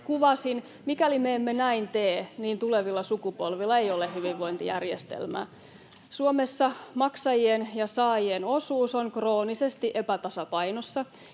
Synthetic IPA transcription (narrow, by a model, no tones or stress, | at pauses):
kuʋɑsin | mikælimeemːenæint̪eːniːnt̪uleʋilːɑsukupolʋilːɑejolehyʋiʋʋoint̪ijæ̰rjest̪ḛlmæ̰ː | suomesːɑmɑksɑjienjɑsɑːjieno̞suːsoŋkro̞ːnisest̪iʔepæt̪ɑsɑpɑjnosːɑ